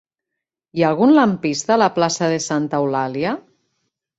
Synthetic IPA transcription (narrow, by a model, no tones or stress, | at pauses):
ialˠɣunlampist̪aːlaplasaðesant̪awlalja